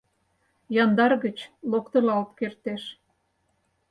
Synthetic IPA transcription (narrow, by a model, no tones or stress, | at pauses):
jɑnd̪ɑrɣət͡ɕlokt̪ə̆lɑlt̪kert̪eʃ